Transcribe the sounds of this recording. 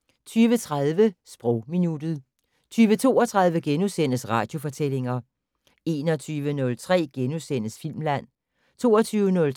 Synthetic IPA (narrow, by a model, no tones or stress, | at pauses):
t͡sʰyːʋət͡sʰʁað̞ˠʋəsb̥ʁɔ̽ʊ̰minud̥ð̩ˠ | t͡sʰyːʋət͡sʰo̝̰ːɒt͡sʰʁɑ̈ð̞ˠʋəɡ̥enusen̰əsʁɑ̈d̥jo̝fɒ̽t͡sʰel̰e̝ŋɐ | e̝ːnɒt͡sʰyːʋənɔ̽lt͡sʰʁɛ̰ːɡ̥enusen̰əsfil̰mlæn̰ | t͡sʰo̝̰ːɒt͡sʰyːʊənɔ̽l